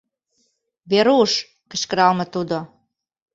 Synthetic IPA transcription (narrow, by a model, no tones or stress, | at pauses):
βeɾuʃ | kə̆ʃkə̆ɾɑlmə̆t̪ud̪o